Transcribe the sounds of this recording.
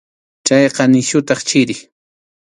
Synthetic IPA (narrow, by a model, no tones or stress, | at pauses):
t͡ʃajqɑnɪʃʊt̪ɑχt͡ʃɪɾɪ